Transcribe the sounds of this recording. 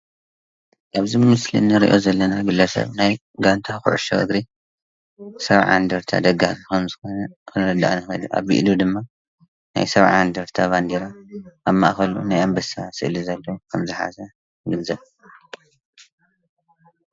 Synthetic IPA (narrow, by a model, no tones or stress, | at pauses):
ʔaβzimɨslḭnːɨɾiʔo̞zɐlːɐnaɡɨlːɐsɐ̰βnaj | ɡant̪ʰaxʊ̰ʕṵʃo̰ʔɨ̰ɡɾi | sɐβʕa̰nd̪ɐɾt̪ʰa̰d̪ɐɡaikʰɐmzɨxo̞nɐkʰɨnɐd̪a̰ʔnɨxɐ̰d̪uʔa̰βɨ̰ʔd̪ud̪ɨmːa | na̰jsɐβʕand̪ɐɾt̪ʰaβand̪iɾaʔːβmaʔxɐlṵnajambɐsasɨʔlizɐlːɐwkʰɐmzɨħa̰sɐ | ɡɨnzɐβ